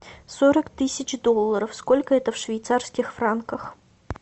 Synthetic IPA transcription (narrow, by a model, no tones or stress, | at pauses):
soɾəkt̪ɨsʲɪt͡ɕd̪ɔlˠːɐɾəfskɔlʲkəɛt̪əfʂvʲɪjt̪sarskʲɪxfɾankəx